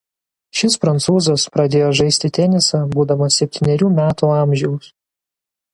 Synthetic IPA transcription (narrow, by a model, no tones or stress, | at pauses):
ʃʲɪspɾɐnt̪suːzɐspɾɐd̪ʲeːjoːʒɐɪsʲt̪ʲɪt̪ʲɛnʲɪsɑbuːd̪ɐmɐsʲɛpʲt̪ʲiːnʲɛɾʲuːmʲæːt̪uːɑˑmʲʒʲɛʊs